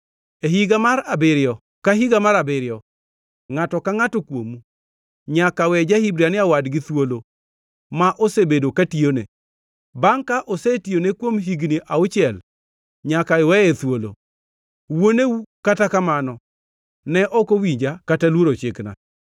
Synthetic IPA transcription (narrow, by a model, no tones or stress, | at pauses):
eɦiɡamaɾabɪɾɪɔ | kaɦiɡamaɾabɪɾɪjɔ | ŋatɔkaŋatɔkwo̰mu | ɲakawɛd͡ʒahibɾianɪawadɡɪt̪wolo | maʔosebedokationḛ | baŋkaʔosetijonekwomɦiɡniaʊt͡ʃɪɛl | ɲakaewɛet̪wolo̰ | woneukatakamanɔ | nɛʔɔkowiɲd͡ʒakatalwoɾot͡ʃekna̰